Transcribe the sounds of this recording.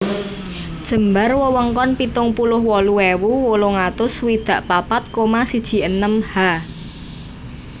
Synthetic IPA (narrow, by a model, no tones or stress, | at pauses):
d̥ʒ̥ə̤mbarwəwəŋkɔnpit̪ʊŋpulʊhwɔluwewuwoloŋat̪ʊswid̪̥ä̤ʔpapat̪̚komasid̥ʒ̥i̤ənəmha